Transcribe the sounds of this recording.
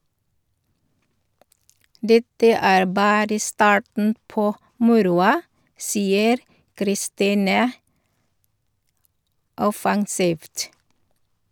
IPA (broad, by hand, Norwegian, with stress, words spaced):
ˈdɛtə ˈæːɾ ˈbɑːɾə ˈstɑːʈɳ̩ ˈpoː ˈmʊɾʊɑ ˈsiːəɾ kɾɪˈstiːnə ˈɔfɑŋsiːʋt